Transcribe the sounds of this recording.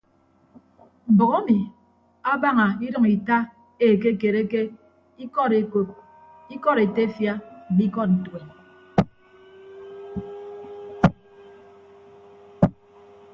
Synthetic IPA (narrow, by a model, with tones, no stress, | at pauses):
m̩˨bɔ˨ɣa˦mi˨ | a˦ba˦ŋa˨i˦ɾʌ˦ŋi˨ta˦ | e˨k̬e˦ke˨ɾe˦ke˦ | i˦kɔ˦˨ɾe˨ko˨p̚ | i˦kɔ˦ɾe˨te˦fja˦˨mi˦kɔ˦t̚n̩˨twe˨n